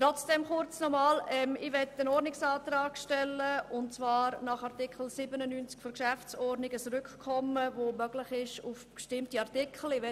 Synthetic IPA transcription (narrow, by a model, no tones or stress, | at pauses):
tɾɔt͡sd̥ɛmχʊɾt͡snɔmɑːlɛmɪʋɛtənɔɾdnɪksɑːtɾɑːkʃtɛlːəʊntt͡svɑːɾnɑχɑrtɪkχl̩sɪbənənyːnt͡skfɔɾkʃæft͡sɔɾdnɪɡət͡sɾʏkkʰːɔməvomœɡ̥lɪχɪʃʊfb̥ʃtɪmtiɑʁɾtɪkχl̩ɪʋɛ